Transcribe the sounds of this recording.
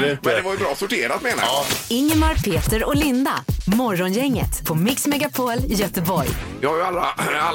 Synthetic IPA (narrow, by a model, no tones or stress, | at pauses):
mɛnd̪ɛvaɾjəbɾɑːsʊʈʰeːɾat̪meːna̰jɪŋːəmaɾpʰeːt̪əɾɔlɪnd̪a̰mɔɾːɔnjɛŋːə̰t̪pʰɔmɪksmɛɡapʰoːlɪjœt̪əbɔɾjjɪhaɾjalːaa